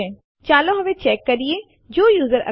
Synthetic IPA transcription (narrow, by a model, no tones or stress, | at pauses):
ɛ̃ː | t͡ʃaːloɦɐʋet͡ʃɛːkːɐɾie | d͡ʒoːjuːzəɾɐ̰